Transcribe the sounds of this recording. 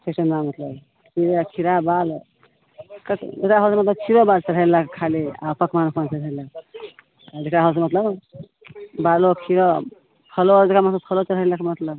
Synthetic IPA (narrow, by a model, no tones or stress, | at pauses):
sʰesənamət̪ləb | piɾekʰiɾabal | kəkdekɾaɦɔlsmət̪ləb̚kʰiɾobalt͡ʃəɾɦəlakkʰalia̰pʰəkʰmanopʰənt͡ʃəɾəlak | dekɾaɦɔls̬mət̪ləb | balokʰiɾɔ | pʰəlod͡ʒekamət̪ləbpʰəlot͡ʃəɾɦəlakmət̪ləb